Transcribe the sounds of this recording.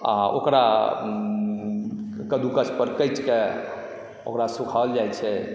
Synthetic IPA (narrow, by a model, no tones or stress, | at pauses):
a̰o̰kɾa̰ | kəd̪ukət͡ʃpəɾkəjt͡ʃke | o̰kɾasukʰald͡ʒajt͡ʃʰɛ